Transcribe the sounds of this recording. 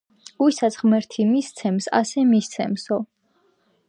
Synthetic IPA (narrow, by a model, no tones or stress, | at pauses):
ɡ̥uisat̪sʰʁmɛɾt̪ʰimist̪sʰɛmsa̰sɛmist̪sʰɛ̰msɔ